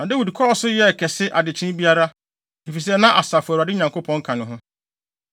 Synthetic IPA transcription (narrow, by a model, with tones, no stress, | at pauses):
nã˨da˦wi˨dkʰɔ˦ɔ˨˦sʊ˦jɛ˦˨kʰɛ˨sɪ˦ʔa˨dɪ˨t͡ɕʰɪ̃˦n˦bi˦a˦ɾa˦ | ɪ˨fi˨s̬ɛ˦nã˦ʔa˨sa˨fʊ˨a˨ɾa˨dɪ˦ɲã˨ŋko˦pʰɔ̃˨˦ŋ̩˦kʰã˨nʊ̃˨ɦʊ̃˦